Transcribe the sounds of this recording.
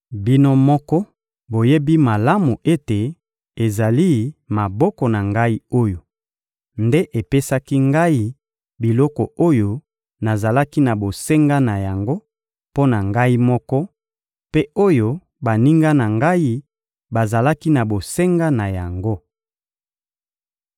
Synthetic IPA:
bi˦no˦mɔ˦kɔ˦ | bo˨je˦bi˦ma˨la˦mu˨ʔe˦te˨ | e˨za˨li˦ma˨bɔ˦kɔ˨na˨ŋɡa˦i˦o˦jo˨ | nde˦ʔe˨pe˦sa˦ki˦ŋɡa˦i˦ | bi˨lɔ˦kɔ˨o˦jo˦ | na˨za˨la˦ki˦na˨bo˨se˦ŋɡa˦na˨ja˨ŋɡo˦ | po˦na˨ŋɡa˦i˦mɔ˦kɔ˦ | pe˦o˦jo˦ | ba˨ni˦ŋɡa˦na˨ŋɡa˦i˦ | ba˨za˨la˦ki˦na˨bo˨se˦ŋɡa˦na˨ja˨ŋɡo˦

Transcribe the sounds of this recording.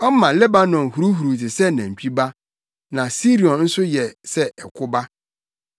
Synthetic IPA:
ɔ˦m˦mã˨lɛ˦ba˦nɔ̃˨nhu˨ɾu˦ɦu˨ɾu˨tɪ˨sɛ˦nã˨m̩˨t͡ɕᶣʰi˦ba˦ | nã˨si˦ɾi˨ɔ̃˨nn̩˦sʊ˦jɛ˨sɛ˦ɛ˨kʰʊ˦ba˦

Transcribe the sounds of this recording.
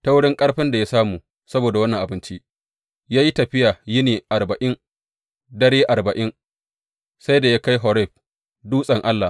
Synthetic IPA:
ta˦wʊ˦ɽɪ˦ŋkʼɐ˦ɽɸɪ˦nda˨ja˦saː˦muː˨ | sɐ˦boː˨da˨wɐ˦nːɐ˨ŋʔa˨bɪ˦nt͡ʃi˦ | jaː˦ji˦tɐ˨ɸɪ˦jaː˨ji˦neː˨ʔa˨rbɐ˨ʔɪ˦ŋ | dɐ˦ɽeː˦ʔa˨rbɐ˨ʔɪ˦ŋ | sa˦jda˨ja˦ka˦jɦɔ˨ɾɛ˦˨ɸ | duː˦sʼɐ˨ŋʔa˦lːa˨

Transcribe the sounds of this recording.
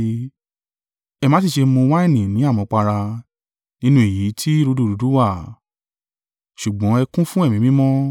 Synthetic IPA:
ɛ˧mã˨˦s̬i˦˨ʃe˧mõ˧wa˦ɛ˦˨nĩ˨nĩ˨˦a˦˨mɔ̃˨˧k͡pa˧ɾa˧ | nĩ˦nũ˦e˦˨ji˨˦tʰi˦ɾu˧˦du˦˨ɾu˨du˨˦wa˦˨ | ʃu˨ɡ͡bɔ̃˨˦ɛ˧kũ˦fũ˦ɛ˦˨mĩ˨˦mĩ˦mɔ̃˦

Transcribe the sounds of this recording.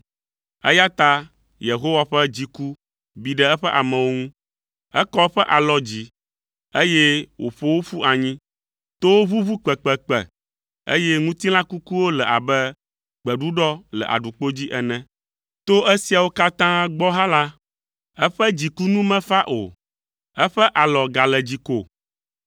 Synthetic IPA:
ɛ̰˦ja˦t̪a˦ | je˨ɦo˦wa˨ɸɛ˦d͡ʑi˨ku˦ | bi˨ɖɛ˦ɛ˦ɸɛ˦ʔa˨mɛ̃˨wo˦ŋũ˦ | ɛ̰˦kɔ˦ɸɛ˦ʔa˨lɔ˦d͡ʑi˦ | e˦je˦wʔo̰˨ɸo˦wo˦fu˦ʔa˨ɲĩ˦ | t̪o˦wo˦βu˦vu˦k͡pɛ˨k͡pɛ˨k͡pɛ̰˨ | ḛ˦jɛ˦ŋũ˦t̪i˦l̃ã˦ku˦ku˦wo˦lɛ˨ʔa̰˨bɛ˦ | k͡pɛ˨ɖu˦ɖɔ˦lɛ̰˨ʔa̰˨ɖu˨k͡po˦d͡ʑi˦ʔɛ˨nɛ̃˨ | t̪o˦ʔɛ˦si˨a˨wo˦ka˦t̪ã˦ɡ͡bɔ˦ɦã˦la˦ | ɛ˦ɸɛ˦d͡ʑi˨ku˦nũ˦mɛ̃˦fa˦ʔo̰˨ | ɛ˦ɸɛ˦ʔa˨lɔ˨ɡa˨lɛ˨d͡ʑi˨ko̰˨

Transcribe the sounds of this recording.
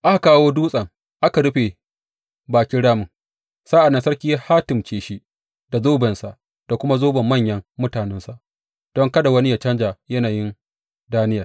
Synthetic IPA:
ʔa˦ha˨kaː˦woː˦duː˦sʼɐ˨ŋ | ʔa˦ka˨ɽʊ˦ɸe˨ | baː˨kʲɪ˦ɽaː˦mʊ˨ŋ | saː˦ʔa˨nːɐ˦nsɐ˦rkʲi˦ja˦haː˦tɪ˨mt͡ʃeː˨ʃi˦ | da˨zoː˦bɛ˨nsa˨ʔ | d̥a˨kʷʊ˦ma˦zoː˦bɐ˨mːɐ˦˨ɲjɐ˦ŋːʊ˦taː˨nɛ˦nsa˨ʔ | d̥ɔ˦ŋkɐ˦da˨wɐ˦ni˦ja˨t͡ʃɐ˦nd͡ʒaː˨jɐ˦naː˨jɪ˦n | daː˦nɪ˦ja˨

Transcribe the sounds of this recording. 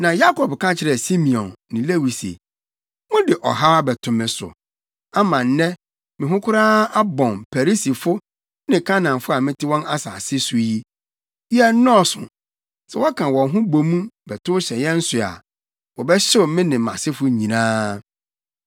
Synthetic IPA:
nã˨ja˦kʰɔ˨bkʰã˦t͡ɕʰɪ˨ɾɛ˨si˦mĩ˨ɔ̃˨nːɪ̃˨le˦wi˨sḛ˨ | mʊ̃˦dɪ˨ʔɔ̰˨ɦa˦bɛ˨tʰʊ̃˨mɪ̃˨sʊ̰˨ | a˦mã˨n˦nɛ̃˦ | mɪ̃˨ɦʊ̃˦kʰʊ˦ɾaː˦a˦bɔ̃˨npʰæ˨ɾi˦si˨fʊ˦ | nɪ̃˨kʰa˦nã˨nfʊ˦a˨mɪ̃˦tʰɪ˦wɔ̃˦na˦sa˨sɪ˦sʊ˨ji˦ | i˦ɛ˦nɔ˦˨sʊ̰̃˨ | sɛ˨wɔ˦kʰã˨wɔ̃˨nɦʊ̃˦bo˨mũ˦bɛ˨tʰʊ˦ɕɛ˨jɛ˦n̩˦sʊ˨a̰˨ | wɔ˨bɛ˦ɕɪ˦ʊ˨mɪ̃˦nɪ̃˨mã̰˨sɪ˦fʊ˦ɲĩ˨nãː˦

